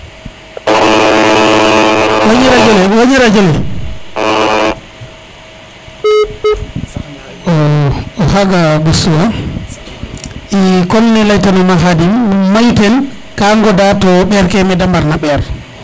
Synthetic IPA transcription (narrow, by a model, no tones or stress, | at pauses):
woɲiɾad͡ʒɛlɛwoɲiɾad͡ʒɔlɛ | ɔɔhaɡabusuwa | ʔɛkɔmnɛlajtanɔmaɦadimːajtɛn | kaŋɡɔdatɔɓɛɾkɛmɛdambaɾnaɓɛɾ